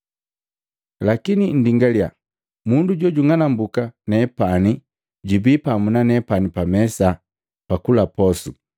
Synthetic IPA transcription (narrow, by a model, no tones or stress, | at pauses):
lakinin̩diŋɡalja̰ | munduɟɔɟuŋanambukanɛpani | ɟibipamunanɛpanipamɛsa | pakulapɔsṵ